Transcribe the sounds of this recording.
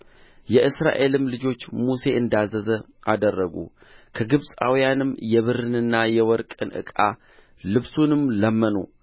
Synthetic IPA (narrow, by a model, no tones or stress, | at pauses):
jɛʔɨsɾa̰ʔe̞lɨmlɨd͡ʒo̞t͡ʃːmuse̞ʔɨnd̪azːəzə | ʔad̪ərːəɡṵ | kʰəɡɨβsʼa̰wijanɨmːjɛβɨɾɨnɨnːajɛwɔɾkʼɨnʔɨ̰kʼa | lɨβsunɨmləmːənṵ